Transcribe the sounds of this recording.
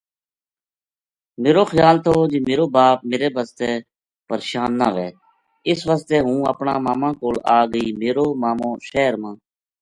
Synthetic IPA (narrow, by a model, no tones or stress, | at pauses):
meːɾoːxəjaːlt̪ʰoːd͡ʒeːmeːɾoːbaːp̚meːɾeːbəst̪eː | pəɾeːʃaːnːa̰ːʋɛː | ɪsʋəst̪eːɦũːə̰pɳaːmaːmãːkoːlaːɡəiːmeːɾoːmaːmõːʃɛːɾmãː